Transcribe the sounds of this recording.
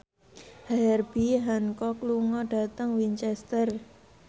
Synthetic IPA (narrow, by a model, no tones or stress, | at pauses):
haɛrb̥iɦankɔkluŋɔɖ̥a̤t̪əŋwiɲt͡ʃɛst̪ər